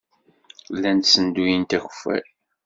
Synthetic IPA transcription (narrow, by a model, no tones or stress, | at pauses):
lːænt̪sənd̪ujint̪æçə̥fæ̰ɾ